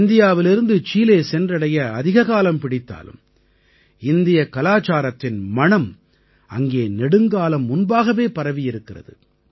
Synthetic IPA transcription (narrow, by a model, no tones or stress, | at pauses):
nd̪ɪjaːʋɪlɪɾɯnd̪ɯt͡ʃiːleːsɛndrɐɽɐjɐɐðɪɣɐɣaːlɐmpɪɽɪt̪ːa̰ːlɯ̰m | ɪnd̪ɪjɐkɐlaːt͡ʃaːɾɐt̪ːɪnmɐɳɐm | ɐ̰ŋɡeːnɛɽɯŋɡaːlɐmːʊnbaːɣɐʋeːpɐɾɐʋɪjɪɾɯkːɪrɐ̰ðɯ̰